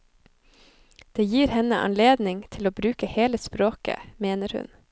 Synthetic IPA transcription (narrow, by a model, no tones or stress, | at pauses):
d̪̥eːjiːɾhɛnəʔɑ̰nleːd̪nɪŋt̪ʰɪloːbɾʉːkəheːləspɾoːkə̰meːnəɾhʉ̰n